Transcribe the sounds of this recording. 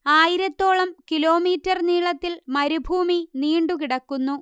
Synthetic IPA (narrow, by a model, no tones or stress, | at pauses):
aːjiɾɐt̪ːo̞ːɭɐmkilo̞ːmiːtːɐrniːɭɐt̪ːilmɐɾubʱuːminiːɳɖukiɽɐkːunːu